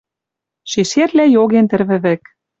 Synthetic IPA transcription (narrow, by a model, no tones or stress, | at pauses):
ʃeʃerlæjoɣent̪ɘ̆rβɘ̆βɘ̆k